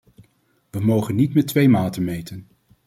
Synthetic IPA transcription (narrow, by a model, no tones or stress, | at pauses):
ʋəmowχənːitmɛtʋejmaːtənmejtən